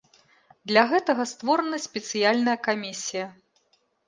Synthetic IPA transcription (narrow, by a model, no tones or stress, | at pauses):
d̪lʲɐɣɛt̪ɐɣɐst̪vɔɾɐnɐsʲpʲɛt̪sɨjalʲnɐjɐkamʲisʲijɐ